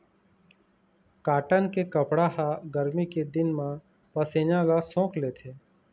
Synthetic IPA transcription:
kaːʈənkekəpɽaɦaɡəɾmiked̪ɪnmã | pəseːɲãlasõːkleːt̪ʰeː

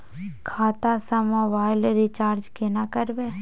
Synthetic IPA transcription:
kʰaːt̪asəmoʋaːɪlɾit͡ʃaːɾd͡ʒkenakəɾbe

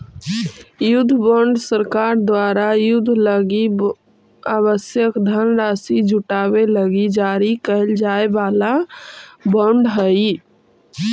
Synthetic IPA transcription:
jʊd̪ʱːbəɳɖsəɾkaːɾd̪waːɾajʊd̪ʱːləɡi | aβəsjəkd̪ʱənɾaːsid͡ʒʱuʈaːbeləɡid͡ʒaɾikəld͡ʒaːebaːla | bə̃ɳɖɦəi

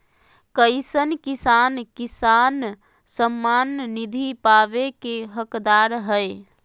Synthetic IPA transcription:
kəɪsənkisankisan | səmːanːid̪ʱipaʋekeɦəkd̪aɾɦəj

